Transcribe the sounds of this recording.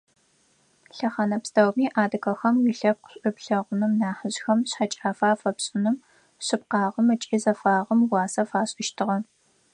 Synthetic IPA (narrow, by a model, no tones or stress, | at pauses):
ɬɐχaːnɐpstʰɐwmiːʔaːdɨkʰɐxɐmwiɬɐp̚qʷʊɕʼɪpɬɐʁʷʊnɨmnaːħəʑxɐmɕħat͡ʃʼaːfaːfɐpɕʼɪnɨm | ɕɨp̚qɑːʁəmɐt͡ʃʼiːzɐfaːʁɐmwɑːsɐfaːɕʼɪʃtʰɨʁɐ